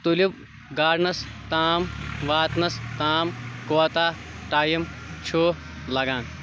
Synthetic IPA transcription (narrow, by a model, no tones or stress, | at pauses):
t̪ulib | ɡaːɖnɐst̪aːmʋaːt̪nɐst̪aːmkoɐt̪aː | ʈaːjɐmt͡ʃʰoː | lɐɡãːn